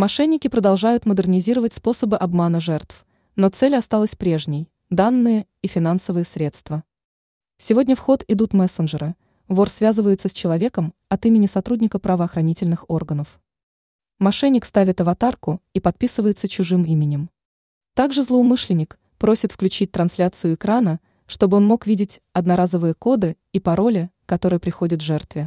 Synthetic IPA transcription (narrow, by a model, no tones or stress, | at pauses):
mɐʂɛnʲːɪkʲɪpɾəd̪ɐlˠʐajʊt̪məd̪ərnʲɪzʲiɾəvətʲspo̞səbɨʔɐbmanəʐɛrt̪f | no̞t̪sɛlʲɐst̪alˠəsʲpɾʲe̞ʐnʲɪj | d̪anːɨjə | ifʲɪnansəvɨjəsɾʲet̪st̪və | sʲɪvo̞dʲnʲəfxo̞t̪ɪd̪ut̪mɛsənʐɨɾɨ | vorsvʲazɨvəjɪt̪səsʲt͡ɕɪlˠɐvʲe̞kəmɐt̪imʲɪnʲɪsɐt̪ɾudʲnʲɪkəpɾəvəːxɾɐnʲitʲɪlʲnɨxo̞rɡənəf | mɐʂɛnʲːɪkst̪avʲɪt̪ɐvɐt̪arkʊipɐt̪̚pʲisɨvəjɪt̪sət͡ɕʊʐɨmimʲɪnʲɪm | t̪aɡʐɨzlˠəʊmɨʂlʲɪnʲːɪk | pɾosʲɪt̪fklʲʉt͡ɕit̚ʲt̪ɾɐnslʲat̪sɨjʊɪkɾanə | ʂt̪o̞bɨo̞nmo̞kvʲidʲɪtʲɐd̪nɐɾazəvɨjəko̞d̪ɨ | ipɐɾo̞lʲɪkɐt̪o̞ɾɨjəpɾʲɪxo̞dʲɪt̪ʐɛrt̪vʲɪ